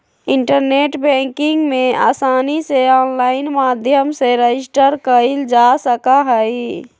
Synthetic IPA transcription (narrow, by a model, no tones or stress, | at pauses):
ɪɳʈəɾneʈbɛ̃ŋkɪŋɡmẽa̰ːsaːniseɔːnlaːɪnmaːd̪ʱjəmseɾed͡ʒɪsʈəɾkəild͡ʒasəkaɦəi